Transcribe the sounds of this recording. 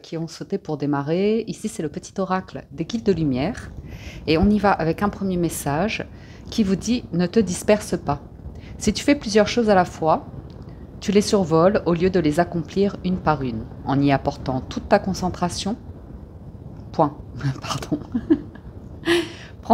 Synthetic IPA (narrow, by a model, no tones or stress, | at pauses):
kʲiɔ̃sot̪epuʁd̪emaʁeisisɛləpət̪i̥t̪ɔʁakld̪eɡʲild̪əlymjɛːʁeɔ̃nivaʔavɛkɛ̃pχəmjemesaʒ | kʲivud̪inət̪əd̪ispɛʁsəpa | sit̪y̥fɛplyzjœʁʃozalafwa | t̪ylesyʁvɔloljød̪əlezakɔ̃pliʁynpaʁynɑ̰̃niapɔʁt̪ɑ̃t̪ut̪ːakɔ̃sɑ̃t̪χasjɔ̃ | pwɛ̃paʁd̪ɔ̃ | pχɑ̃